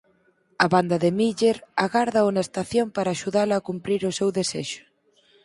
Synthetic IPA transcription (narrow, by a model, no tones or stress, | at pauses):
ɐβand̪ɐðɪmiʎeɾaɣaɾðɐunɐest̪aθjompaɾaːʃuðalɐːkumpɾiɾʊsewðeseʃʊ̥